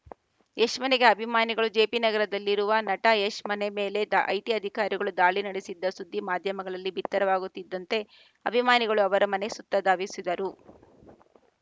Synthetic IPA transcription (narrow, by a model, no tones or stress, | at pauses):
eʂmɐneɡe̞ɐbʱimaːniɡɐɭud͡ʒe̞ːpinɐɡɐɾɐd̪ɐlːiɾuʋɐnɐʈɐeʂmɐneme̞ːle̞d̪ʔɐ̰jt̪iɐd̪ʱikaːɾiɡɐɭud̪aːɭinɐɽesid̪ːɐsud̪ʱːimaːd̪ʱjɐmɐɡɐɭɐlːibʱit̪ːɐɾɐʋaːɡut̪ːid̪ːɐnt̪e̞ | ɐbʱimaːniɡɐɭuɐʋɐɾɐmɐne̞sut̪ːɐd̪ʱaːʋisid̪ɐɾu